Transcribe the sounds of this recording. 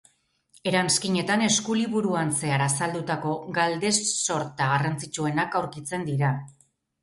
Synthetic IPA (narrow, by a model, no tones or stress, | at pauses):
e̞ɾanskiɲe̞t̪ane̞skuliβuɾuanse̞aɾasald̪ut̪ako̞ɡald̪e̞sːo̞ɾt̪aɣarant͡sit͡ʃue̞nakawɾkit͡se̞nd̪iɾa